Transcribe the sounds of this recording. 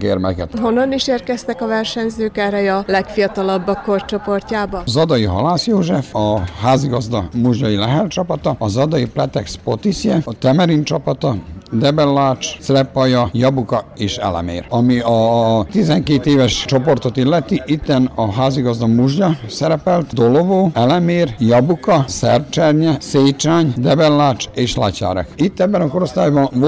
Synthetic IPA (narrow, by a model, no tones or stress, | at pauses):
kḛːrmɛ̰kɛt̪ɦo̞nːɒniʃeːrkɛst̪ɛkɒvɛrʃɛnzøːkɛːrɛjɒlɛkfijɒt̪ɒlɒbːɒkːort͡ʃopo̞rcaːbɒzɒd̪ɒjiɦɒ̰laːsjoːʒɛfɒhaːziɡɒzd̪ɒmuʒɲɒjilɛɦɛlt͡ʃɒpɒt̪ɒɒzɒd̪ɒjiplɛt̪ɛkspo̞t̪isjɛt̪ɛmɛɾint͡ʃɒpɒt̪ɒd̪ɛbɛlːaːt͡ʃ̪srɛpːɒjɒjɒbukɒeːʃɛ̰lɛ̰mḛːrɒmiɒt̪izɛŋkeːt̪eːvɛʃt͡ʃo̞po̞rt̪o̞t̪ilːɛt̪iʔit̪ːɛnɒɦaːziɡɒzd̪ɒmuʒjɒsɛɾɛpɛlt̪d̪olovoːɛlɛmeːrjɒbukɒsɛrt͡ʃɛrɲɛseːt͡ʃaːɲd̪ɛbɛlːaːt͡ʃeːʃla̰ca̰ːɾɛ̰kit̪ːɛbːɛnɒkoɾo̞st̪aːjbɒnv